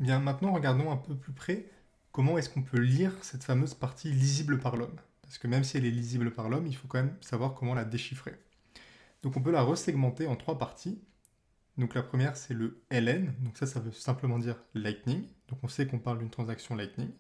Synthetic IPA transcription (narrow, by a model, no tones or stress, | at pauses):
bjɛ̃mɛ̃t̪nɑ̃ʁəɡaʁd̪ɔ̃ɛ̃pøplypχɛ | kɔmɑ̃ɛskɔ̃pʰøliʁsɛt̪famøzpaʁt̪ʰilizibləpaʁlɔmpaʁsə̥kəmɛmsiɛlɛlizibləpaʁlɔmilfokɑ̃mɛmsavwaʁkɔmɑ̃lad̪eʃifχḛ | d̪̥ɔ̃kɔ̃p̬ølaʁəsɛɡmɑ̃t̪eɑ̃t̪χwapaʁt̪ʰi | d̪ɔ̃klapχəmjɛʁsɛləɛlɛnd̪ɔ̃ksasavøsɛ̃pləmɑ̃d̪iʁlajk̪niŋd̪̥ɔ̃kɔ̃sɛkɔ̃paʁld̪ynt̪χɑ̃zaksjɔ̃lajt̪niŋ